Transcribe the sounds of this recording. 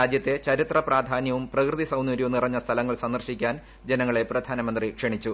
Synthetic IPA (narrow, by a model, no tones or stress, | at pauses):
aːd͡ʑjɐt̪ːe̞t͡ɕɐɾit̪rɐpraːd̪ʱaːnjɐʋumprɐkrɨðisɐwnjuːɾjʋunirɐɲːɐst̪ʰɐlɐŋːɐɭsɐnd̪ɐrɕikʲːaːn | d͡ʑenɐŋːɐɭe̞prɐd̪ʱaːnɐmɐnd̪rikʂeɳit͡ɕːu